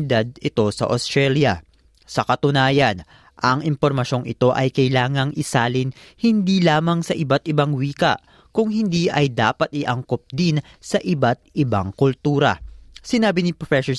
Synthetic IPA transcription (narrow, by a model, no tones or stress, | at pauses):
ɪd̪ad̪̚ɪt̪o̞sɐ̰ʔost̪ɹɛljɐ | sɐkɐt̪ʊnaːjɐn | ʔɐŋʔɪmpoɾmɐʃo̞ŋʔɪt̪o̞ʔɐjkɐjlaːŋɐŋʔɪsaːlɪnhɪnd̪iːlaːmɐŋsɐʔɪbat̪̚ʔɪbaŋwiːkɐ̰ʔ | kʊŋɦɪnd̪iʔɐjd̪aːpɐt̪̚ʔɪʔɐŋkop̚d̪in | sɐʔɪbat̪̚ʔɪba̰ŋkʊlt̪uːɾɐ̰sɪnaːbɪnipofɛso